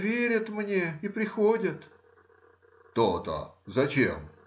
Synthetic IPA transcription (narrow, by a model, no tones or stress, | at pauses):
vʲeɾʲɪt̪mnʲeipɾʲɪxodʲɪt̪ | t̪ot̪ə̰zɐt͡ɕʲḛm